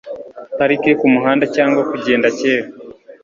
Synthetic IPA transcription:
haɾikekumuɦaːndacaːŋɡwakuɟe̞ːndaceːɾa

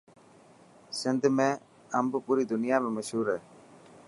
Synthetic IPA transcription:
sɪnd̪mẽ | ɐmbʊpʊɾid̪ʊnɪjaːmẽmɐʃɦuːɾɛː

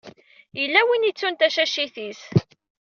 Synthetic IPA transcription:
jəlːæwinit͡sːunt̪æʃæʃiθis

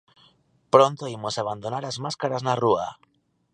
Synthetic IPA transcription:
pɾo̞nt̪o̞imo̞saβ̞and̪o̞naɾazmaskaɾaznarua

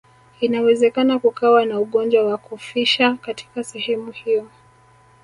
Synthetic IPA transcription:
inawɛzɛkanakukawanauɠɔnd͡ʒwawakufiʃakati̥kasɛhɛmuhijɔ

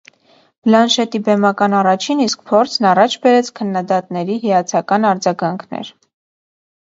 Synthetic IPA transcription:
b̥lɑnʃɛt̪ibɛmɑkɑnɑrɑt͡ʃʰinisk̚pʰɔɾt͡sʰnɑrɑt͡ʃʰbɛɾɛt͡sʰkʰənːɑd̪ɑt̪nɛɾiɦijɑt͡sʰɑkɑnɑɾd͡zɑɡɑŋkʰnɛ̰ɾ

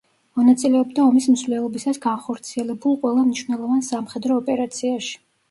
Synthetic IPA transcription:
mɔnat̪sʼilɛɔbd̪aɔmismzvlɛlˠɔbisasɡanχɔɾt̪sʰiɛlɛbulˠqʼwɛlˠamniʃwvnɛlˠɔvansamχɛd̪ɾɔːpʼɛɾat̪sʰiaʃi̥

